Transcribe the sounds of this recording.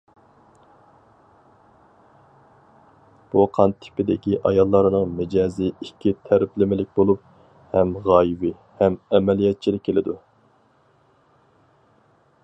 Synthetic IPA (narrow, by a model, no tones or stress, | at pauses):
b̥uqʰɑnt̪ʰɪ̥pɪd̪ɪkʲiʔɑjɑlˠːɑɾɨnɨŋmɪd͡ʒɑːziikʲʰːit̪ʰæɾɪplɪmɪlɪk̚ʲbolˠup̚ | hɛmʁɑːjivɪ | hɛmɛmɛlijɛt̪̚t͡ʃʰilɪkʲʰːelɪd̪u